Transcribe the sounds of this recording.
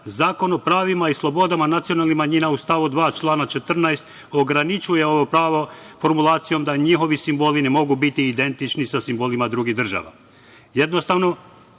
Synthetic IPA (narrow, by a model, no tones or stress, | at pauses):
zaːko̞no̞pɾaːʋimaislˠo̞bo̞d̪amanat̪sijo̞nalˠnimaɲinaust̪aʋud̪ʋaːt͡ʃlˠaːnat͡ʃe̞t̪r̩najst̪ | o̞ɡɾanit͡ʃuje̞o̞ʋo̞pɾaːʋo̞fo̞ɾmulˠaːt̪sijo̞md̪aɲixo̞ʋisimbo̞ːline̞mo̞ɡubit̪iːd̪e̞nt̪it͡ʃnisasimbolimad̪ɾuɡiɦd̪r̩ʒa̰ʋa̰ | je̞d̪no̞st̪aʋno̞